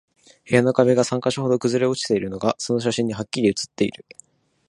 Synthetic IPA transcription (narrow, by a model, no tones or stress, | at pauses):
he̞jano̞kaβeɡasãŋkaɕiho̞d̪o̞kɯ̟zɨɾe̞o̞t͡ɕi̥t̪e̞iɾɯ̟no̞ɡaso̞no̞ɕ̬aɕĩɲ̟ːiɦakʲːiɾʲiɯ̟t͡sɨ̥t̪ːe̞ḭɾɯ̟